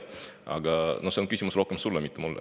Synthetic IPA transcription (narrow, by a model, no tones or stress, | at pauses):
ɑ̰ɡɑno̞hse̞onkysʲimusɾo̞hkemsulːɑmit̪ːˑemulː